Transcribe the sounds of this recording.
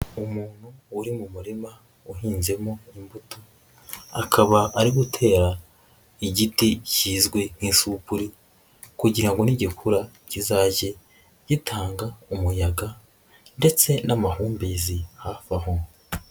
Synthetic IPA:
umuːn̥huuɾimumuɾima | uɦiːnze̞moimbutu | akʰaβaːɾiɡutʰe̞ːɾa | iɟiticiːzɡwe̞n̥iːnsupuɾi | kuɟiɾaŋɡo̞niɟikʰuɾa | cizaːɟe̞ | ɟ̥itʰaːŋɡaumujaɡa | nde̞t͡se̞namahuːmbeːzihafaho

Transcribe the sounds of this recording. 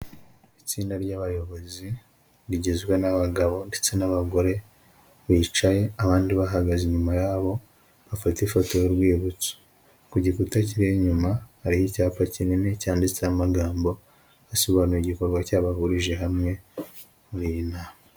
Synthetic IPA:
it͡siːndaɾɟaβajo̞βo̞zi | ɾiɟezɡwe̞naβaɡaβo̞nde̞t͡se̞naβaɡo̞ɾe̞ | βiːt͡ʃaje̞aβaːndiβaɦaɡaziɲumajaːβo̞ | βafatifo̞to̞joɾɡwiːβut͡so̥ | kuɟikutac̬iɾeɲumahaɾihicaːpacininecaːndit͡seamaɡaːmbo̞ | asoβanuɾiɟiko̞ɾɡwacaβaɦuɾiʒe̞ɦamŋe̞ | muɾiinaːma

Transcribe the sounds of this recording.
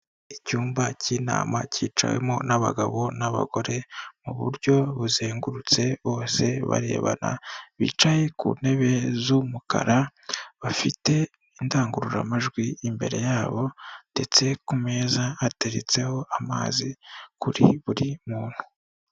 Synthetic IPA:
icuːmbaciːna̰ːma̰ciːt͡ʃa̰wḛmo̞naβa̰ɡaβo̞naβa̰ɡo̞ɾe̞muβṵɾɟo̞βuzeːŋɡuɾut͡se̞βo̞ːse̞βa̰ɾe̞̰ːβa̰na̰βḭːt͡ʃaje̞kṵːne̞βe̞zumuka̰ɾaβafite̞ | indaːŋɡuɾuɾa̰maʒɡwiimbe̞ɾe̞jaːβo̞nde̞t͡se̞kume̞ːzaːte̞ɾet͡se̞ho̞ama̰ːzikuɾḭβuɾimuːn̥hu

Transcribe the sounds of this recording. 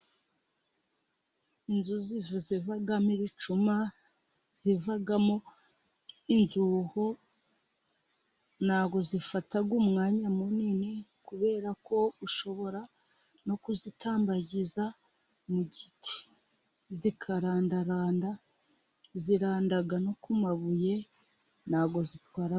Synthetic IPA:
inzuzivuzivaɡamiβit͡ʃuma | z̥ivaɡamo | inzuho̞ | naːɡo̞zifataɡwumŋaːɲamuninekuβe̞ːɾako̞uʃo̞βo̞ɾa | no̞kuzitʰaːmbaɟiza | muɟitʰi̥ | zikʰaɾaːndaɾaːnda | ziɾaːndaɡano̞kumaβuje̞ | n̥aːɡo̞zitwaːɾa

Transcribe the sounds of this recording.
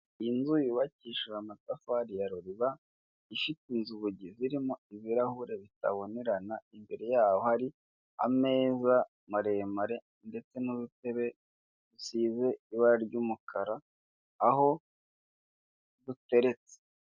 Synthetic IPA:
inzujuβaciʃuamatafaɾijaɾoɾiβa | ifitinzuβuɟiziɾimoiβiɾahuɾe̞βita̰βo̞ne̞ɾanaimbe̞ɾe̞jaːwohaɾi | a̰me̞ːza | maɾe̞maɾe̞ | nde̞t͡se̞nuβute̞βe̞ | dusiːze̞iβaɾaɾɟuːmukʰaɾaː | ɦo̞ | dute̞ɾe̞t͡se̥

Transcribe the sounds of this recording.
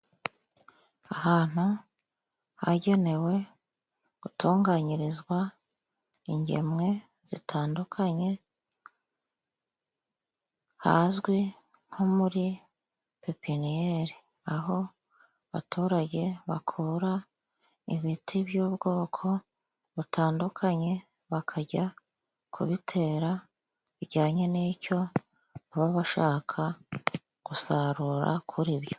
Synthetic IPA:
ahaːn̥u | haɟe̞ne̞we̞ | ɡ̥utuːŋɡaɲiɾizɡwa | iɲɟḛmŋe̞ | z̥ḭtʰaːndukʰaɲe̞ | ha̰zɡwi | ŋ̥homuɾi | pepinieɾi | aɦo̞ | βa̰tʰuːɾaɟe̞βakʰuɾa | ḭβitʰibjuːbɡo̞ːkʰo̞ | βutʰaːndukʰaɲe̞ | βakʰaɟa | kʰṵβitʰe̞ːɾa | βiɟaːɲe̞niːco̞ | aβaβaʃaːkʰa | ɡ̥usaɾuɾa̰kʰuɾiβjo̞

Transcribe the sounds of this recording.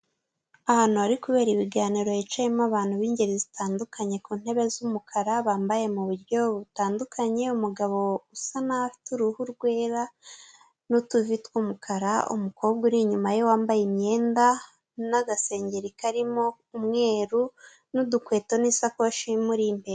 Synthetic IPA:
ahaːn̥huaɾikuβe̞ːɾiβiɡaːniɾo̞jet͡ʃajemoaβaːn̥huβiːɲɟe̞ɾizitaːndukʰaɲe̞kuːn̥he̞βe̞zumukʰaɾaβaːmbaje̞muβuɾɟo̞βutaːndukʰaɲe̞umuɡaβo̞usanafi̥tuɾuhuɾɡwe̞ːɾa | nutuvitwumukʰaɾaṵmukʰo̞ːb̚ɡuɾiɲumajo̞waːmbajimɲe̞ːnda | naɡase̞ːɲɟeɾikaɾimo̞ | umŋe̞ːɾu | nudukwe̞ːto̞nisakoʃimuɾimbeɾe

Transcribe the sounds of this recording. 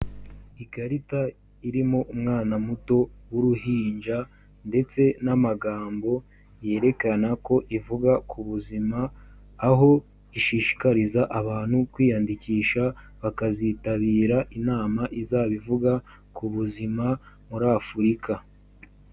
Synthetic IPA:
iɡaɾita | iɾimoʔumŋaːnamuto̞wuɾuhiːnd͡ʒa | nde̞t͡se̞namaɡaːmbo̞ | je̞ːɾe̞kanako̞ʔivuɡakʰuβuzimaː | ɦo̞ | iʃiːʃi̥kaɾizaʔaβaːn̥hukwiːjandikiːʃa | βakazitaβiːɾaʔinaːmaʔizaːβivuɡa | kuβuzima | muɾaːfuɾika

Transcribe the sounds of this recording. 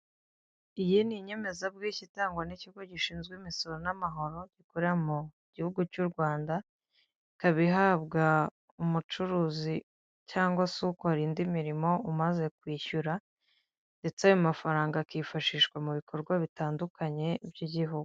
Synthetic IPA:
ijiniɲe̞me̞zabɡiːcitaːŋɡwanicihuɡoɟiʃiːnzɡwiːmiso̞ɾonamaɦo̞ɾo̞ɟ̥ikuɾamu | ɟ̥ihuɡucuːɾɡwaːnda | kaβiɦaːbɡa | umut͡ʃuɾuːzi | caːŋɡwasukoaɾiːndimiɾimo̞umaze̞kwiːçuɾa | nde̞t͡sajomafaɾaːŋɡakifaʃiːʃkwamuβikʰo̞ɾɡwaβitaːndukʰaɲe̞bjiɟiɦuɡu̥

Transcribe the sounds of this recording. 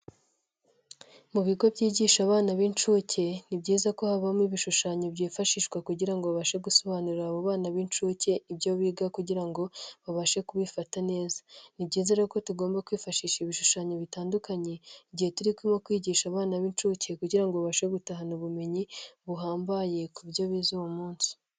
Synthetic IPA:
muβiɡo̞bɟiːɟiʃaβaːnaβint͡ʃuːce̞nibɟiːzako̞haβamiβiʃuʃaɲobɟiːfaʃiːʃkwakuɟiɾaŋɡoβaβaʃe̞ɡuso̞βaːnuɾiɾaːβoβaːnaβint͡ʃuce̞ibɟoβiːɡakuɟiɾaŋɡo̞βaβaʃe̞kuβifatane̞ːzḁnibɟiːze̞ɾeko̞tuɡo̞ːmbakwiːfaʃiːʃiβiʃuʃaːɲoβitaːndukaɲe̞iɟihetuɾikwimokwiːɟiːʃaβaːnaβiːnt͡ʃuːce̞kuɟiɾaŋɡoβaβaʃeɡutaɦanuβume̞ɲiβuɦaːmbaje̞kuβɟo̞βiːzowomuːnsi̥

